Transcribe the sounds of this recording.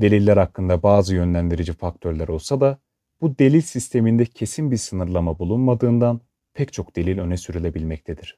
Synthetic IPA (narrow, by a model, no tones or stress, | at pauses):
d̪e̞lʲilʲːæɾhakːɯnd̪abaːzɯjø̞nlʲænd̪iɾid͡ʒifak̚t̪ʰø̞ɾlʲæɾo̞lˠsad̪a | b̥ud̪e̞lʲilʲsist̪ʰe̞mind̪ɛcʰe̞sinbiɾsɯnɯɾlˠamabulˠunmad̪ɯːnd̪an | pʰɛct͡ʃʰo̞kd̪̥e̞lʲilʲø̞nɛsyɾylʲe̞bilʲmɛc̚t̪ʰed̪iɾ̝̥